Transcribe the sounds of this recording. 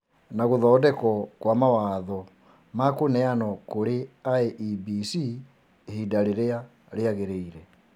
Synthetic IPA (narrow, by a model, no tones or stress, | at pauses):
naɣoðɔːdɛkɔkwamawaːðɔ | makonɛanɔkoɾeaeʔibisi | hidaɾeɾea | ɾeaɣeɾeiɾɛ